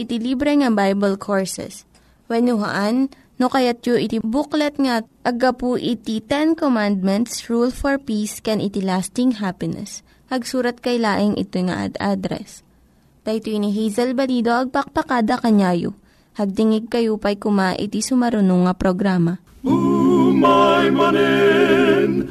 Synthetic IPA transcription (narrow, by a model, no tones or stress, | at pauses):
ʔɪt̪ɪlibɾɛŋɐbajbɐlkʰoɹsɛ̰s | wɛnʊɦa̰ʔanː | okɐjat̪̚joʔɪt̪ibuklɛt̪̚ŋɐʔɐɡɐpuʔɪt̪it̪ɛnkomand̪̚mɛnt̪sɹulfɔɹpiskɛnʔɪt̪ilast̪ɪŋɦapɪnɛ̰s | hɐɡsuːɾɐt̪̚kɐjlaːʔɪŋʔɪ̰t̪ojŋa̰ʔɐ̰d̪ʔad̪ɾɛ̰s | t̪ɐjt̪oniɦɛjzɐlbɐliːd̪o̞ʔɐɡ̚pɐk̚pɐkaːd̪ɐkɐɲaːjo̰ | hɐɡ̚t̪ɪŋɪɡ̚kɐjupɐjkʊmaʔɪ̰t̪isʊmɐɾʊnoŋːɐpɾoɡɾaːmɐ | majmɐnɛ | n